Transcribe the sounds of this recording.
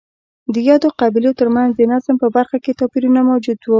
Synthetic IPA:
d̪əjɑd̪oqabilot̪əɾmanzd̪ənazmpəbaɾxaket̪ɑpiɾunamawd͡ʒud̪wu

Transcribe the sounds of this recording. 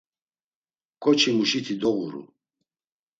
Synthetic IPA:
kʰʼɔt͡ʃʰimuʃit̪ʰid̪ɔɣuɾṵ

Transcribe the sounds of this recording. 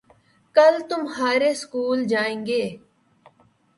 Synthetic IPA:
kəlt̪ʊmhaːɾeskuːld͡ʒaːẽːŋɡeː

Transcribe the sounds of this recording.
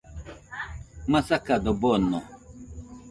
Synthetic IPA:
masakadɔbɔnɔ̰

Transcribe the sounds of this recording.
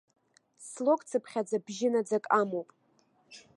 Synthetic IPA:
slo̞kʼt͡sʰɨpʰχʲad͡zabʒɪnad͡zakʼamowpʼ

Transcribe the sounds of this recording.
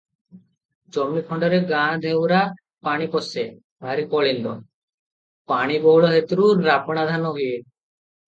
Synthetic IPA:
d͡ʑomnikʰɔɳɖɔɾeɡãd̪ʱewɾa | paɽ̃ipɔse | bʱaɾikɔɭind̪o̰ | paɽ̃ibɔɭoɦet̪ɾuɾapɽad̪ʱanoɦuje

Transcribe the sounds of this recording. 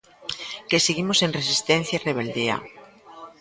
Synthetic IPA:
keseɣimosenres̬ist̪ẽn̟θjaireβ̞eld̪ia̰

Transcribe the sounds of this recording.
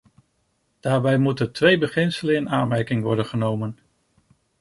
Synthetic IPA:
d̥aːɹbɛjmutəntʋejbəχɪnsələnɪnaːnmɛɹkɪŋʋɔɹdənχənowmən

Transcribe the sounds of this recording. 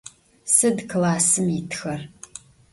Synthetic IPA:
sɨdklaːsɨmitʰxɐr

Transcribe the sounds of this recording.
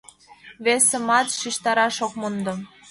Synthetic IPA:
βesə̆mɑt̪ʃiʃt̪ɑɾɑʃok̚mɤ̆nd̪ɤ̆

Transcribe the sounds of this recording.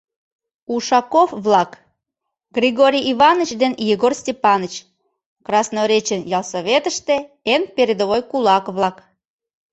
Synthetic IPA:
uʃɑkofβlɑk | ɡrʲiɣoɾʲijiβɑnət͡ɕd̪enjiɣorsʲtʲepɑnət͡ɕ | krɑsnoɾʲet͡ɕenjɑlˠsoβʲet̪əʃt̪eenpeɾʲed̪oβojkulɑkβlˠɑk

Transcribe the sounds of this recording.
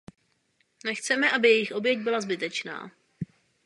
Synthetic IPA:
nɛxt͡sɛmɛʔabɪjɛjɪxʔo̞bjɛɟ̚bɪlazbɪt̪ɛt͡ʃna̰ː

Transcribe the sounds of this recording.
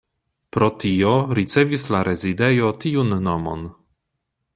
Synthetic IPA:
pɾo̞tioɾit͡se̞vislaɾʔezide̞jotiunːomo̰n

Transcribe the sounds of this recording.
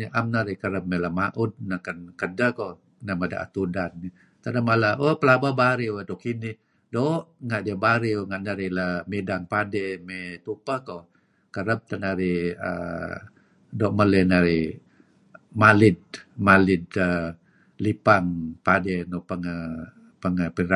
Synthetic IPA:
niʔamnaɾikəɾəp̚melamaʔut̪̚nakankədəko | namada̰ʔa̰t̪udanːi | t̪anamalawəpəlababaɾiwəd̪oʔkinɪ | doʔŋaʔdiəbaɾiwəŋaʔnaɾilamidaŋpadɛmet̪upəko | kəɾəp̚t̪anaɾiə̰ | doʔmələnaɾi | malɪd̪̚malɪd̪ə | lipaŋpadenopəŋə | pəŋəpiɾa

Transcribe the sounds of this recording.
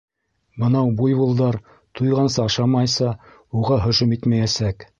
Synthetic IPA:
bɤ̆nɑwbujbulˠd̪ɑɾ | t̪ʰujʁɑnsɑɑʃɑmɑjsɑ | uʁɑɦɵ̆ʃɵmit̪mæjæsæk

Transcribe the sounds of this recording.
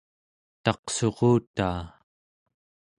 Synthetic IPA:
t̪ɑqso̞ʁoːt̪aː

